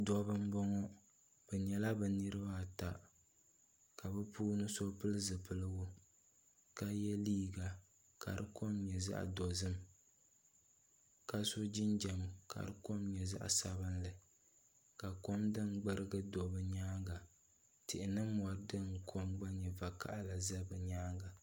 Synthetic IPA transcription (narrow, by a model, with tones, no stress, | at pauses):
dɔ˨bɨ˦mbɔ˦ŋɔ˦ | b̥ɛ˨ɲɛ˨la˦bɛ˨nɨ˦ɾɨ˦ba˦˨ta˨ | ka˨bɛ˦pʰuː˦nɨ˦so˦pɨ˦lɨ˦zɨ˨pɨ˦lɨ˦ɡʊ˦ | ka˦jɛ˦liː˦ɡa˨ | ka̰˨ɾɨ˦ko˦mɲɛ˨za̰˦ʔdɔ˨zɨ˦m | ka˦sʊ˦d͡ʒɪ˦nd͡ʒɛ˨m˨ka̰˨ɾɨ˦ko˦mɲɛ˨za̰˦ʔsa˨βɨ˦nlɨ˨ | ka˨ko˦mdɨ˦nɡ͡bɨ˦ɾɨ˦ɡɨ˦do˨bɨ˦ɲaː˦ŋɡa˨ | tɪ˨ʔɪ˨nɨ˦mː˨a˨ɾdɨ˦ŋkʰo˦mɡ͡ba˦ɲɛ˨va˨ka̰˦ʔla˨za˦bɛ˨ɲaː˦ŋɡa˨